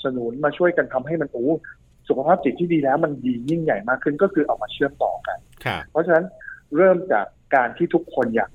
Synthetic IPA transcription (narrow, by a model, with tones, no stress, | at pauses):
sa˧nu˩˦nmaː˧t͡ɕʰu˥˩əjka˧nt̪ʰa˧mɦa˥˩jma˧nʔuː˨˦ | su˨˩kʰa˧pʰaː˥˩p̚t͡ɕi˨˩t̪ʰːiː˥˩diː˧lɛː˦˥wma˧ndiː˧ji˥˩ŋja˨˩jmaː˥˩kʰːɯ˥˩nkɔː˥˩kʰɯː˧ʔa˧wmaː˧t͡ɕʰɯ˥˩əmt̪ɔ̰ː˨˩ka̰˧nʰpʰɾɔ˦˥t͡ɕʰa˧na˦˥nɾɤː˥˩mt͡ɕa̰ː˨˩kːaː˧nt̪ʰiː˥˩t̪ʰu˦˥kʰːo˧njaː˨˩k̚